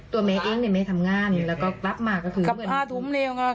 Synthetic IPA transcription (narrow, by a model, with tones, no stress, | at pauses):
tt̪u˧ɐmɛː˨˦˥ʔeː˧˩ŋni˧˩jma˥˩jt̪ʰa˧mŋaː˧˩˨nlɛː˦˥wkɔː˥˩kla˦˥p̚maː˧˩kːɔː˥˩kʰɯː˨˧˦ɯ˧˩˨aː˧˥˩t̪ʰu˨˦mlɛː˧wka˧